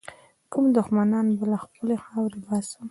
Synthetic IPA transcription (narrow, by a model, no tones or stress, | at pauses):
kumd̪ʊxmanɑnbəlaxpəlexɑwɾebɑsəm